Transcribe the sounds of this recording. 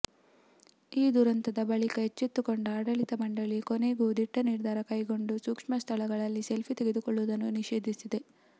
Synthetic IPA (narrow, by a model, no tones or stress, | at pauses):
iːd̪uɾɐnt̪ɐd̪ɐbɐɭikɐɦet͡ʃːit̪ːukoɳɖuaːɽɐɭit̪ɐmɐɳɖɐɭikone̞ːɡud̪iʈːɐniɾd̪ʱaːɾɐkɐjɡo̞ɳɖusukʂmɐst̪ʰɐlɐɡɐɭɐlːiselpʰit̪e̞ɡe̞d̪ukoɭːuʋd̪ɐnːuniʃeːd̪ʱisid̪e̞